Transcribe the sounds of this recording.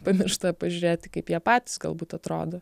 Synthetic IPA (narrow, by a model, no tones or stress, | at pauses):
pɐmʲɪɾʃt̪ɐpɐʒʲuːɾʲeːt̪ʲɪkɐɪpjɛpɑːt̪ʲɪ̥sɡɐ̰lˠbuːt̪ɐt̪ɾo̰ːd̪oː